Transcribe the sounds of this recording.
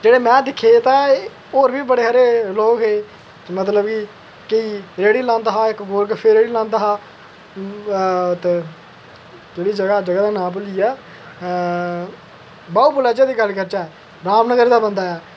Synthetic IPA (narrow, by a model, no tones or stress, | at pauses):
d͡ʒeːɽeːmɛ̃ːd̪ɪkʰːeːt̪ãː | oːɾbiːbəɽeːɦəɾeːloːkɦeː | mət̪ləbkiː | kəiːɾeːɽiːlãːnd̪aːɦaːɪkboːɾkpʰeɾeːɽiːlãːnd̪aːɦaː | t̪e | d͡ʒeːɽiːd͡ʒəɡaːd͡ʒəɡaːd̪aːnãːp̬əlijaː | baːuːbʊlaːd͡ʒaːd̪iːɡəlkəɾt͡ʃaːɛː | ɾaːmnəɡəɾd̪aːbənd̪aːɛː